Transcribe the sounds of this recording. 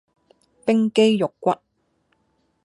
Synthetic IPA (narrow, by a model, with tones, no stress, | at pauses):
pɪ˥ŋke˥jjʊ˨kːʷɐ˥t̚